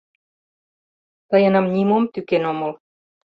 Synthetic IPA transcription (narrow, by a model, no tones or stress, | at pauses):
t̪ɑjənɑmnʲimomt̪ykenoməl